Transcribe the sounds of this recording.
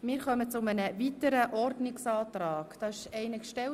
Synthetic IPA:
mɪːɾχœmət͡sʊmənəvit̪əɾəʔɔrdnɪksɑːt̪ɾɑːkd̥ɑːɪʃɛɪnəkʃtɛl

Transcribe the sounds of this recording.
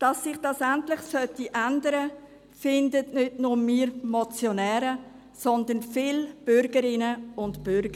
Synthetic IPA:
d̥ɑsːɪχd̥ɑsæntlɪχsœtiʔændəɾə | fɪndətnʏdnʊmiːɾmɔt͡sjɔnɛːɾə | sɔnd̪ənfɪːlb̥ʏɾɡ̥əɾɪnəʊntb̥ʏɾɡ̥ə

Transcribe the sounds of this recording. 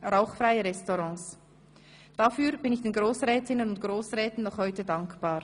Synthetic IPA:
raʊχfʁaɪəʁɛstɔʁɑ̃ːs | d̥afyːɾbɪnɪçd̥eːnɡʁoːsʁɛːtʰɪnənʊntɡ̥ʁoːsʁɛːtn̩nɔχhɔʏtədaŋkb̥aːɾ

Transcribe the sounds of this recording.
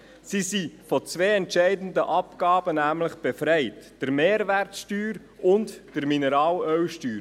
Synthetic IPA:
sisifɔt͡sʋeːɛntʃɛɪdn̩dəʔɑpɡ̥ɑːb̥ənæːmləχb̥efɾɛɪtd̥əɾmeːɾʋæɾtsʃtyːɾ | ʔʊntd̥əɾminɛɾɑːlœwʃtyːɾ

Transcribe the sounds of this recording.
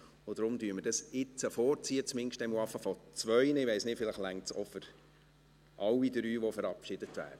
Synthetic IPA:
od̥̪ɾʊmdyəməɾd̥ɑsɪt͡səfɔːɾt͡siət͡smɪnʃtɛmuɑfəfɔt͡sʋœʏnəɪʋɛɪsnɪtfɪləχlæŋtsɔfɔɾ | ʔɑwːidɾyːʋɔfɛɾɑpʃɪd̥ətʋæ̰ːɾdə

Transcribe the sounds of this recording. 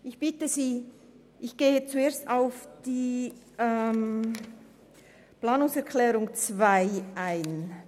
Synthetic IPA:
ʔɪçb̥ɪtəziː | ʔɪçɡ̥eːət͡sueːɐstaʊfd̥iː | ʔɛm | plaːnʊŋsɛɐkʰlɛːʁʊŋt͡sv̥aɪʔaɪn

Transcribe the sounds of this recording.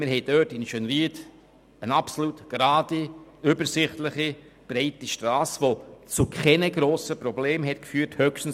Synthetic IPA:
mɪɾhɛɪd̥œtɪnʃønriːt | ənɑpsolutɡ̥ɾɑːdiʏbəɾsɪχtlɪχi | b̥ɾɛɪtiʃtɾɑːsʋot͡sukʰχɛnəɡɾoːsəpɾɔbleːmhɛtkfyːɾthøkʃtn̩s

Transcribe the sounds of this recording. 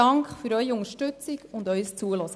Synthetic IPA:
ɑŋkχfyːɾœʏçəʊŋəʃtʉt͡sɪɡʊndœʏst͡suːəlɔsə

